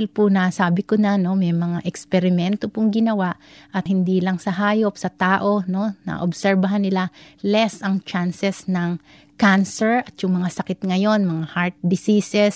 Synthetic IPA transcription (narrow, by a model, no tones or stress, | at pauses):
ɪlpʊnaːsaːbɪkonɐno̞mɛjmɐŋaʔɛkspɛɾɪmɛnt̪opʊŋɡɪnɐwaʔʔɐt̪̚hɪnd̪iːlɐŋsɐɦaːjo̞p̚sɐt̪aːʔo̞no̞nɐ̰ʔobsɛɹbɐɦanːɪlalɛsɐŋt͡ʃansɛsnɐŋ | kansɛɹɐt̪jʊŋmɐŋasɐkɪt̪̚ŋɐjo̞nmɐŋahaɹt̪̚d̪ɪsisɛs